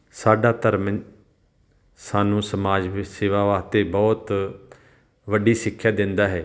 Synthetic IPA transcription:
saːɖaːt̪əɾmə | saːnũːsəmaːd͡ʒʋɪseːʋaːʋaːt̪eːbɔːt̪ | ʋəɖiːsɪkʰːjaːd̪ɪ̃nd̪aːɦɛː

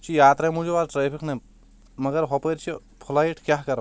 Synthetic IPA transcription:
t͡ʃʰijaːt̪ɾɐjmud͡ʒuʋaːɾʈɾeːpʰikʰnɐ | mɐɡɐɾɦɔpɐjɾt͡ʃʰi | pʰulaːiʈʰkjaːɦkɐɾɐ

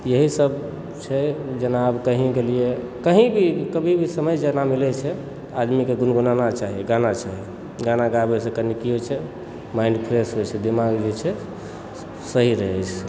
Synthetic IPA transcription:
jəɦisəb | t͡ʃʰɛd͡ʒənabkəɦĩkelie | kəɦĩbʱikəbʱibʱisəməjd͡ʒənamilɛt͡ʃʰɛ | ad̪mikeɡunɡunanat͡ʃaɦiɡanat͡ʃaɦi | ɡanaɡabesẽkənikiɦot͡ʃʰɛ | maɪnɖpʰɾesɦojt͡ʃʰɛd̪imaɡd͡ʒet͡ʃʰɛ | səɦiɾəɦɛt͡ʃʰ

